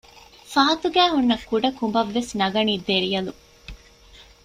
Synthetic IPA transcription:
faːt̪uɡæːɦunːɐkːuɖɐkumbɐʋːesnɐɡɐniːd̪eɾijɐlu

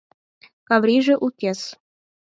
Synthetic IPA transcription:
kɑvɾʲiʒĕʔukʲes

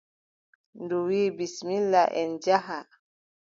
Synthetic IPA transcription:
nduwibisminlaʔɛnd͡ʒaɦa

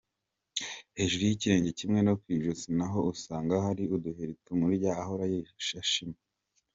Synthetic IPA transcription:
he̞ːʒuɾujiciɾe̞ːɲɟe̞cimŋe̞nokwiʒuzinaɦo̞usaːŋɡahaɾiuduheɾitumuɾɟaːɦoɾajeʃaʃime

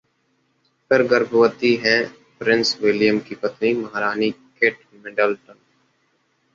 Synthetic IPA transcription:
pəɾɡəɾbʱəwət̪iɦɛ̃ː | pɾɪ̃nswɪlɪjəmkipət̪niməɦɾaːnikeːʈ | mɛɖəlʈən

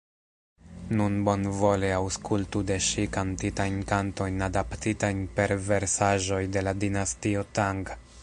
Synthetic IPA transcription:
nunbo̞nvo̞leawskultude̞ʃikantitajnkanto̞jnadaptitajnpe̞ɾve̞ɾsaʒo̞jde̞ladinastio̞taŋɡ

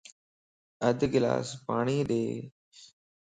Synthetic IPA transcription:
əd̪ɡɪla̰ːspaːɳiːɗ̪eː

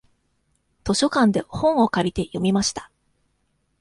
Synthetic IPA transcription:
t̪o̞ɕo̞kãnd̪e̞hõ̞ɰ̃o̞kaɾʲit̪e̞jo̞mʲimaɕi̥t̪ḁ

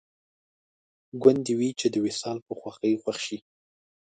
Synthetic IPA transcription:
ɡwand̪iwit͡ʃed̪əwɪsɑlpəxwaxəjxwaxʃi

